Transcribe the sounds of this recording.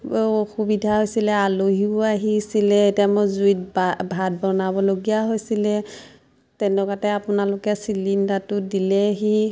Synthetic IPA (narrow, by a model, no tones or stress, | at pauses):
xubidʱaɦojsilɛaloɦiʊaɦisilɛtijamozuit̚babʱad̚bɔnabɔloɡijaɦojsilɛ | tɛnɔkatɛapʊnalokɛsilindatʊdilɛɦi